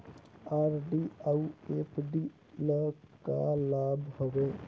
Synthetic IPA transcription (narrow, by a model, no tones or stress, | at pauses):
aːɾɖiaueːpɖi | ləka̰laːbʱɦoʋeː